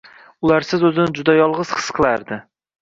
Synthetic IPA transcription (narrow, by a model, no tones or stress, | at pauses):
ʊlaɾsɪzɵzɪnɪd͡ʒʊd̪ajɒlˠʁɨz̥qʰɨ̥sqʰɨlˠaɾd̪ɪ